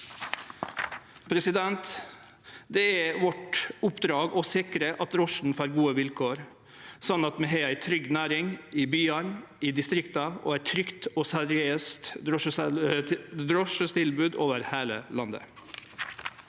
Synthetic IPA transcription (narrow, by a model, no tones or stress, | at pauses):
pʰɾɛsɪd̪ɛnt̪ | d̪ɛɛʋɔʈʊpd̪ɾɑːɡɔsɪkɾəʔɑt̪ɾɔʂɳ̩fɑːɾɡuːəʋɪlkʰoːɾ | sɑnɑt̪mɛɦeæɪt̪ʰɾʏɡnæːɾɪŋɪbyːɑnɪd̪ɪst̪ɾɪkt̪ɑo̰ːæɪt̪ʰɾʏkt̪ɔːsɛɾɪøːst̪ɾɔʂ | ɾɔʃəst̪ʰɪlbʉːd̪oːʋəɾheːlə̰lɑnd̪ə̰